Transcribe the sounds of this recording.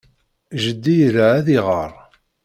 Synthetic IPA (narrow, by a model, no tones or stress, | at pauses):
ʒəd̪ːijɾaʕæðiʁə̰ɾˤ